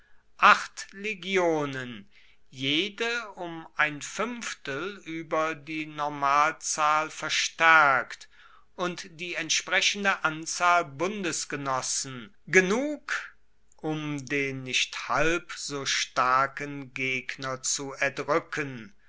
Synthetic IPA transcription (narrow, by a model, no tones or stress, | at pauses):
ʔaχtleɡjoːnən | jeːdəʊmʔaɪnfʏmftəlyːbɐdiːnɔɐmaːlt͡saːlfɛɐʃtɛɐkt | ʔʊntd̥iːɛntʃpʁ̥ɛʃəndəʔant͡saːlbʊndəsɡ̥ənɔsn̩ | ɡ̥ənuːk | ʔʊmdeːnːɪçthalpz̥oːʃtaɐkənɡeːknɐt͡suɛɐdʁʏkʰən